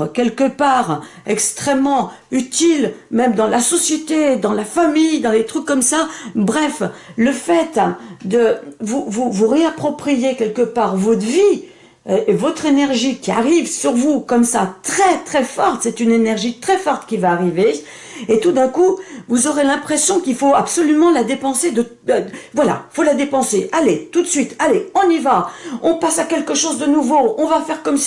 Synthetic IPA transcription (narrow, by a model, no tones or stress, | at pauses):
kʲɛlkəpaːʁ | ɛkst̪χɛmːɑ̃ | yt̪ilmɛmd̪ɑ̃lasɔsjet̪ed̪ɑ̃lafamijd̪ɑ̃let̪χykːɔmsabʁɛfləfɛt̪d̪əvuvuvuʁeapχɔpχijekʲɛlkəpaʁvɔt̪vi | evɔt̪χenɛʁʒikʲia̰ʁivsyʁvukɔmsat̪χɛt̪χɛfɔʁt̪sɛt̪ynenɛʁʒit̪χɛfɔʁt̪kʲivaːʁive | et̪ud̪ɛ̃kuvuzɔʁelɛ̃pχesjɔ̃kʲilfoapsɔlymɑ̃lad̪epɑ̃sed̪ə | vwala̰ifolad̪epɑ̃seʔalet̪ut̪sɥit̪ʰaleɔ̃nivaɔ̃pasakʲɛlkəʃozd̪ənuvoɔ̃vafɛʁkɔms